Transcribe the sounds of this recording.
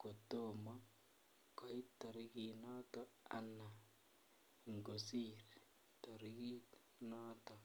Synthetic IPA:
ko˨to˨mɔ˦ | kɔ˨i˦tɔ˨ɾi˦ki˨nɔ˦tɔ˦a̰˨na˨ | ŋɡo˨siɾ | tɔ˨ɾi˦ki˦ | nɔ˦tɔ˨

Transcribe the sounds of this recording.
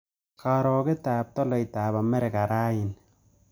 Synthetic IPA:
ka˨ɾɔ˨ke˦ta˨p̚tɔ˦lɔ˨jta˨pa˨mɛ˦ɾe˨ka˨ɾa˦jɪ˨n

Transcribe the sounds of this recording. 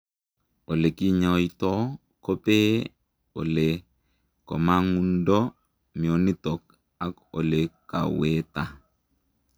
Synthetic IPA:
o˨le˨ki˦ɲa˨itɔ˦ | ko˦pe˦ | o˨le˨ | kɔ̰˨ma˦ŋu˦ndɔ˦ | mi˨o˨ni˦tɔ˨k̚ | a˨˦ko˨le˨ka̰˨we˦ta˨

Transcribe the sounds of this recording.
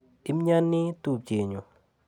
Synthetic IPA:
i˦mɲa˦nːi˦tu˨d͡ʒe˨ɲo˨

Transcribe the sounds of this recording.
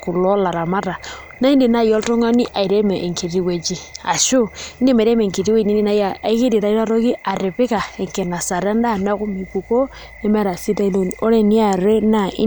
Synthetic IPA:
ku˨lɔ˦la˨ɾa˨ma˦ɾa˨ | na˦i˦ndi˨na˦˨jɔ˦ltɔ˦ŋa˦ni˦ʔa˨i˨ɾe˦mɛ˨ʔŋki˨ti˦we˨d͡ʒi˦a̰˨ʃu˦ni˦me˨ɾɛ˦mɛ˨ŋki˨ti˦we˦˨ni˦ni˦na˦ja˨i˦ki˦di˨ɾa˨i˦lɾo˦ki˦a˨ɾɪ˨pɪ˦ka˨ɛ˨ŋkɛ˨na˨sa˨ɾɛ˦n˦da˦˨na˦ku˦mi˨pu˨ko˦ | ɛ˦mɛ˦ɾa˨si˦ta˦i˦lo˦no˦ɾe˦ni˦a˨ɾe˦na˦˨ɪ̰˦

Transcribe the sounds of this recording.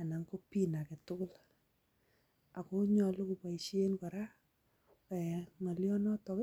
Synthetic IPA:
a˨na˨ŋko˦pi˦na˨ke˨tʊ˦kʊ˦l | a˨ko˦ɲɔ˨lu˦ku˨pa˨iʃe˦nkɔ˨ɾa˦ | kɛ˨ŋa˨ljɔ˦nɔ˦tɔ˨k

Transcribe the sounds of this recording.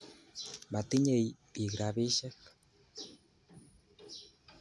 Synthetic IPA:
ba˨t̪i˦ɲe˨jpi˨ɡɾaβi˦ʃe˦k

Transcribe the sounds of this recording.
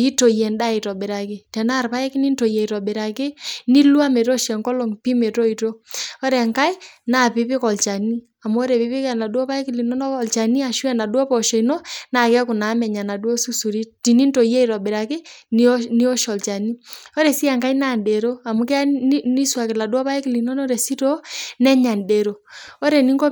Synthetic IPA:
i˦to˨jɛ˨nda˦i˨tɔ˨bɪ˨ɾa˨kɪ˦tɛ˨na˦˨ɾpa˦ɛ˦kɪ˦ni˦nto˨jɛ˨i˨ɾɔ˨bɪ˨ɾa˨kɪ˦ni˦lu˦a˦me˨to˦ʃɛ˨ŋkɔ˦lo˨ŋpi˦me˨to˦i˨to˦ɔ˦ɾɛ˨ŋka˦i˦na˨pɪ˦pɪ˦kɔ˨lt͡ʃa˨ni˦ | a˨mu˦ɔ˦ɾɛ˨pi˦pɪ˦kɛ˨na˨dwɔ˦pa˦ɛ˦kɪ˦li˨nɔ˦nɔ˦ɔ˨lt͡ʃa˨ni˦a˨ʃwɛ˨na˨dwɔ˦pɔ˨ʃɔ˨i˨nɔ˦na˨kɛ˦a˦ku˨na˨˦mɛ˨ɲa˨na˨dɔ˦su˦su˨ɾi˦ti˨ni˦nto˨jɛ˦i˨ɾɔ˨ɓe˨ɾa˨kɪ˦n˦ni˦ɔ˦ʃɔ˨lt͡ʃa˨ni˦ɔ˦ɾɛ˨si˦a˨ŋka˦i˦na˦˨nde˨ɾo˦a˨mu˦kɛ˦a˦ni˦swa˨kɪ˨la˨dwɔ˦pa˦e˦kɪ˨li˨nɔ˦nɔ˦ɾɛ˨si˦tɔ˦nɛ˦ɲa˨nde˨ɾo˨ɔ˦ɾɛ˨ni˦ŋɡɔ˦

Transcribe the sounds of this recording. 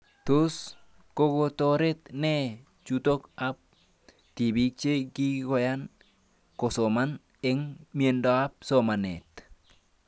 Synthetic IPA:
t̪ʊ˦s | ko˦ɡot̪oɾe˦t̪nɛ | t͡ʃut̪o˦ka˦p̚ | t̪i˨bi˦k̚t͡ʃe˦ɡi˦ko˨ja˦n | ko˨so˨ma˦n | e˦ŋmie˨ndo˦a˦p̚soma˨nḛ˨t̪

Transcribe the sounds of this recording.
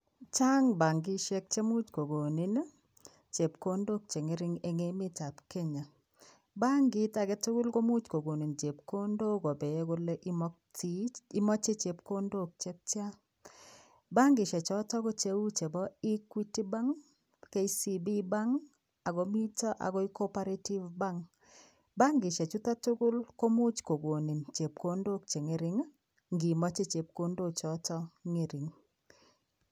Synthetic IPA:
t͡ʃa˦ŋba˨ŋɡɪ˦ʃɛ˦k̚t͡ʃe˦mʊ˦t͡ʃko˨ɡo˨ni˨˦n˦ | t͡ʃe˨pko˦ndo˦k̚t͡ʃe˨ŋe˦ɾɪ˦ŋe˨ŋe˦mɪ˦ta˨pke˦ɲa˨ | ba˦ŋɡɪ˦ta˨ɡɛ˦tɪ˦ɡʊ˦lɡo˦mu˦t͡ʃko˨ɡo˨ni˨nt͡ʃe˨pko˦ndo˦ɡɔ˨be˨e˦ɡo˦le˦ʔɪ˦mɔ˦k̚ti˦i˦mɔ˦t͡ʃe˦t͡ʃe˨pko˦ndo˦˨k̚t͡ʃe˦k̚t͡ʃa˦ | ba˦ŋɡɪ˨ʃɛ˨t͡ʃɔ˦tɔ˦ɡɔ˦t͡ʃe˦wu˦t͡ʃe˨bɔ˦i˦kwi˦ti˦ba˦ŋ | ke˦i˦si˨bi˦ba˦ŋ | a˨ɡɔ˨mi˦tɔ˦ʔa̰˨ɡɔ˦i˦ko˦pa˦ɾe˦ti˦vba˦ŋ | ba˦ŋɡɪ˨ʃɛ˨t͡ʃu˦t̪a˦tʊ˦ɡʊ˦lko˦mʊ˦t͡ʃko˨ɡwo˨ni˨nt͡ʃe˨p̚ko˦ndo˦k̚t͡ʃe˨ŋe˨˦ɾɪ˦ŋ | ŋɡi˨mɔ˦t͡ʃe˦t͡ʃe˨p̚ko˦ndo˦t͡ʃɔ˨tɔ˦ŋe˦˨ɾɪ˨ŋ

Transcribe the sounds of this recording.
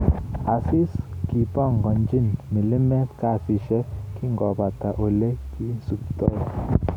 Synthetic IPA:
a˨sɪ˦ski˨pɔ˦˨ŋɡɔ˨nd͡ʒi˦˨nmi˨lɪ˦mɛ˦ka˦˨fi˨ʃɛ˦kɪ˦ŋɡɔ˨ba˨ta˨ʔo˨le˦ki˦su˨ptɔ˦˨j

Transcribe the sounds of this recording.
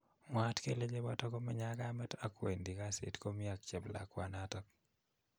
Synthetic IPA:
ŋwa˦tke˦le˦d͡ʒe˦bɔ˦tɔ˦ko˦mɛ˦ɲa˦ɡa˦mɛ˦ta˦kwe˨ndi˨ka˦sɪ̰˨tko˦mɪ˦a˨k̚t͡ʃɛ˨bla̰˨kwa˨natɔk̚

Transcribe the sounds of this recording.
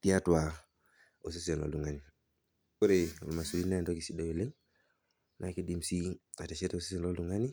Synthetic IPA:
ti˦a˦twa˨ | o˨s̬i˦se˨lɔ̰˨lu˨ŋa˨ni˨ | ko˦ɾe˨o˨lma˨su˨li˦na˦˨ndɔ˦ki˨si˦do˦we˨le˦ | na˨˦ki˦di˦msi˦a˨tɛ˨ʃe˦tao˨si˦s̬e˨lɔ˦lu˨ŋa˦ni˦

